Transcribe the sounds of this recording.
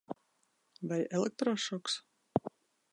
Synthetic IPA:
vajɛlˠɛk̚t̪ɾɔʃɔks

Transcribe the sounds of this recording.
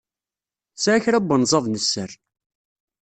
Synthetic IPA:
sʕçɾæbːənzˤɑðˤnəsːəɾ

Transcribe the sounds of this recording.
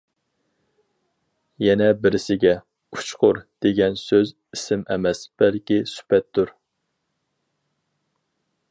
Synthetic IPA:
jɛnɛbɪɾɪsɪɡʲɛ | u̥t͡ʃʰqʊɾd̪̥eɡʲɛnsøz | isɪmɛmɛsb̥ɛlkʲisy̥pɛt̪ːuɾ

